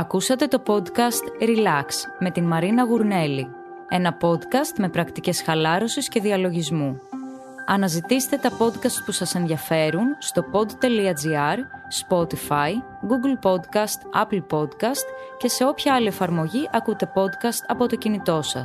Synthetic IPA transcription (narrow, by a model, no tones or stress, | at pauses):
ɐkusɐt̪e̞t̪o̞po̞d̪kɐst̪ɾilɐksme̞t̪inmɐɾinɐɣuɾne̞li | e̞nɐpo̞d̪kɐst̪me̞pɾɐkt̪ice̞sxɐlɐɾo̞sisce̞ðiɐlo̞ʝizmu | ɐnɐzit̪ise̥t̪e̞t̪ɐpo̞d̪kɐst̪̚pusɐse̞nðiɐfe̞ɾunst̪o̞po̞d̪t̪e̞liɐd͡ziɐɾspo̞t̪ifɐj | ɡuɡlpo̞d̪kɐst̪ɐplpo̞d̪kɐst̪ce̞se̞o̞pçɐɐlie̞fɐɾmo̞ʝiʔɐkut̪e̞po̞d̪kɐst̪ɐpo̞t̪o̞cinit̪o̞sɐ̰s